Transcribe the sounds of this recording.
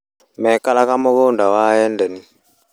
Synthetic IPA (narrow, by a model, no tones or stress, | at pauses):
mɛkalakamoɣondawaːjɛndɛni